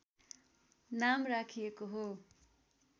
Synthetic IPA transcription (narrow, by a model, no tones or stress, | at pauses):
namrakʰijekoɦo